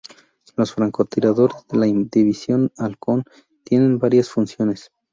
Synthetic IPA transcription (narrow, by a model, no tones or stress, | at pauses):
lo̞sfɾaŋkot̪iɾaðo̞ɾezðe̞laind̪iβisjo̞nalko̞n | t̪je̞ne̞nbaɾjasfunsjo̞ne̞s